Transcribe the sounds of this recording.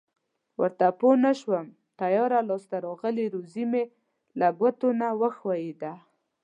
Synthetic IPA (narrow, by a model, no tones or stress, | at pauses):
wə̰ɾt̪aponaʃwəm | t̪ajɑɾalɑst̪aɾɔɣəleɾozime | laɡwat̪onawəxwajed̪a